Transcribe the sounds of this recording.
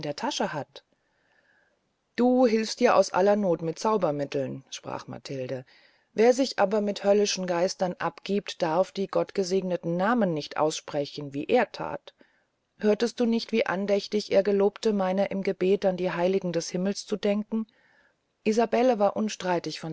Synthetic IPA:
ndeːɐtʰaʃəhat | d̥uːɦɪlfstd̥iːɐʔa̰ʊsʔa̰lɐnoːtmɪt̚t͡saʊbɐmɪtl̩nʃpʁ̥a̰ːχma̰tʰɪldə | veːɐzɪçʔaːbɐmɪthœlɪʃn̩ɡaɪstɐnʔapɡ̥iːp̚td̥aɐfd̥iːɡɔtɡ̥əzeːɡnətn̩naːmənːɪçtʔa̰ʊsʃpʁ̥ɛçn̩viːʔeːɐtʰa̰ːt | høːɐtəst̚d̥uːnɪçtv̥iːʔa̰ndɛçtɪçʔḛːɐɡəloːptəmaɪnɐʔɪmɡəbeːtandiːɦaɪlɪɡŋ̩dɛshɪml̩st͡sudɛŋkŋ̩ | ʔizabɛləvaːɐʔʊnʃtʁ̥aɪtɪçfɔn

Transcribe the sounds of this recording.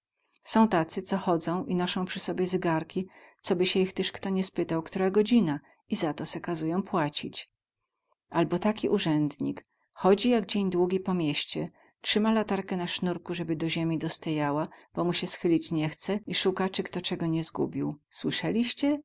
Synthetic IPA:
sɔ̃w̃t̪at̪sɘt̪sɔxɔd̪zɔ̃w̃inɔʂɔ̃w̃pʂɘsɔbʲjɛzɘɡaɾkʲit̪sɔbɘɕɛjixt̪ɘʂkt̪ɔɲɛspɘt̪awkt̪uɾaɡɔd͡ʑina | izat̪ɔsɛkazujɔ̃w̃pwat͡ɕḭt͡ɕ | ʔalbɔt̪akʲiʔuʐɛnd̪ɲḭk | xɔd͡ʑijaɡd͡ʑeɲd̪wuɡʲipɔmʲjɛɕt͡ɕɛ | tʂɘmalat̪aɾkɛnaʂnuɾkuʐɛbɘd̪ɔʑemʲid̪ɔst̪ajawab̥ɔmuɕɛsxɘlʲit͡ɕɲɛxt̪sɛiʂukat͡ʂɘkt̪ɔt͡ʂɛɡɔɲɛzɡṵbʲiwswɘʂɛlʲiɕt͡ɕɛ

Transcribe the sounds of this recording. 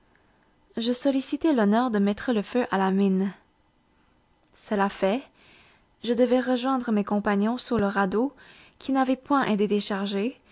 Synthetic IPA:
ʒəsɔlisit̪ɛlɔnœːʁd̪əmɛt̪χələføʔalamin | səlafɛ | ʒəd̪əvɛʁəʒwɛ̃d̪ʁəmekɔ̃paɲɔ̃suʁləʁad̪okʰʲinavɛpwɛ̃ʔed̪ed̪eʃaʁʒe

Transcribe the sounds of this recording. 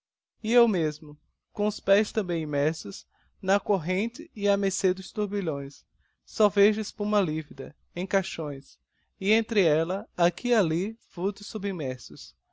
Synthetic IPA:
ɪewmezmʊ | kõʊspɛjst̪ɐ̃bẽj̃ĩmɛɾsʊs | nɐkoɦẽnt̪ɪɪɐmesed̪ʊst̪uɾbiʎõj̃sː | ɔveʒʊɪspũmɐlivid̪ɐ | ẽj̃kaʃõj̃s | ɪẽnt̪ɾɪɛlɐakʰialiv̥ut̪ʊsubĩmɛɾsʊs

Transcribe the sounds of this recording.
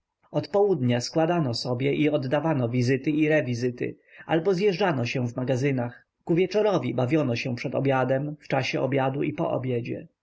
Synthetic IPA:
ɔt̪pɔwud̪ɲaskwad̪anɔsɔbʲjɛʔiɔd̪ːavanɔvʲizɘt̪ɘiɾɛvʲizɘt̪ɘ̰ | a̰lbɔzjɛʐd͡ʐanɔɕɛvmaɡazɘnax | kuvʲjɛt͡ʂɔɾɔvʲibavʲjɔnɔɕɛ̃pʂɛt̪ɔ̰bʲjad̪ɛmft͡ʂaɕɛɔ̰bʲjad̪uʔipɔ̰ʔɔ̰bʲjɛd͡ʑɛ̰

